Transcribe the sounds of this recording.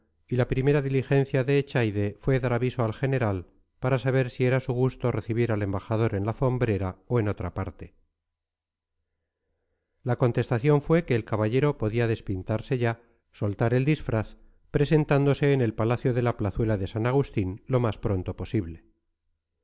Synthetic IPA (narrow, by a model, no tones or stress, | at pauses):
ilapɾime̞ɾaðilixe̞n̟θjaðe̞ːt͡ʃajðe̞fwe̞ðaɾaβiso̞alxe̞ne̞ɾal | paɾasaβ̞eɾsie̞ɾasuɣust̪o̞re̞θiβ̞iɾale̞mbaxaðo̞ɾe̞nlafo̞mbɾe̞ɾaoe̞no̞t̪ɾapaɾt̪e̞ | lako̞nt̪e̞st̪aθjo̞ɱfwe̞ke̞ːlkaβaʎe̞ɾo̞po̞ðiaðe̞spint̪aɾse̞ʝa | so̞lt̪aɾe̞ld̪isfɾaθ | pɾe̞se̞nt̪and̪o̞se̞ːne̞lpalaθjo̞ðe̞laplaθwe̞laðe̞sanaɣ̞ust̪inlo̞maspɾo̞nt̪o̞po̞siβle̞